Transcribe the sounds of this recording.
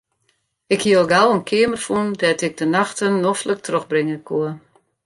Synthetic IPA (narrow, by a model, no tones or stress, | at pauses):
ɪkhiəlˠɡalˠənkʰɪəmərfundɛtɪɡ̚dənaxtənːɔflək̚troxbrɪŋəkʰuə